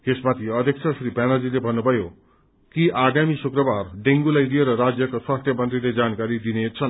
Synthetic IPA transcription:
esmat̪ʰiʌd̪ʱjʌk̚t͡sʰʌsripanʌd͡zilebʱʌnːubʱʌjo | kiʔaɡamisukrʌbarɖeŋɡulajlijeɾʌrad͡zjʌkoswast̪ʰjʌmʌnt̪riled͡zankaɾid̪inet͡sʰʌn

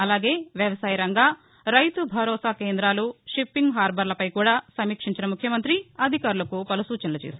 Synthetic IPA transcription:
ɐlaːɡeːʋjɐʋɐsaːjɐɾɐŋɡaː | ɾɐjt̪ubʱɐɾɔːsaːkeːnd̪ɾaːluʂipːiŋɡɦaːɾbʱɐɾlɐpɐjkuːɽaːsɐmiːkʂiɲt͡ʃinɐmukʰjɐmɐnt̪ɾiɐd̪ʱikaːɾulɐkupɐlusuːt͡ʃɐnɐlɐt͡ʃeːsi

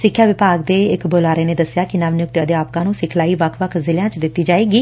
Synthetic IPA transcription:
sɪkʰːjaːʋɪpaːɡd̪eːɪkboːlaːɾeːneːd̪əsjaːkɪnaʋnjʊk̚t̪jaːd̪eːaːp̚kãːnũːsɪkʰlaːiːʋəkʰʋəkʰzɪljãːt͡ʃd̪ɪt̪ːiːd͡ʒaːeːɡiː

